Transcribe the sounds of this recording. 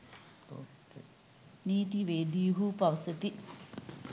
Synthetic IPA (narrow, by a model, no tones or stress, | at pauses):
niːt̪iʋeːd̪ijuɦupɐʋɐsɐt̪i